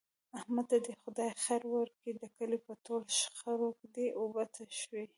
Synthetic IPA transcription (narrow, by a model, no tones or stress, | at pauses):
ahmad̪̚t̪ad̪əxʊd̪ɑjxaɾwaɾked̪əkəlipət̪olʃxəɾokd̪eʔobat̪aʃwi